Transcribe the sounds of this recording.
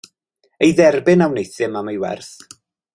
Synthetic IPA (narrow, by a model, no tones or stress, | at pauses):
ejðɛrbɪnawnejθɪmamajwɛ̰rθ